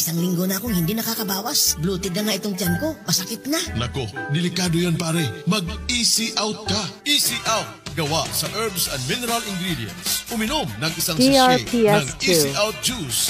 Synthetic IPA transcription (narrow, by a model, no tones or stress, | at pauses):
ɪsaŋlɪŋɡonɐɐkoŋhɪnd̪inɐkakɐbaːwɐsbluːt̪ɪd̪nɐŋaʔɪt̪oŋt͡ʃanko̞mɐsɐkɪt̪̚nanɐkod̪ɪlɪkaːd̪ojanpaːɾɛmɐɡ̚isiʔawt̪̚kɐʔisiʔawt̪̚ɡɐwasɐʔɛɹbsɐnd̪minɛɾɐlɪŋɡɾid̪jɛ̰nsʔʊmɪnomnɐŋʔɪsaŋsiɐaɹpinɐŋt̪isiʔawt̪̚d͡ʒus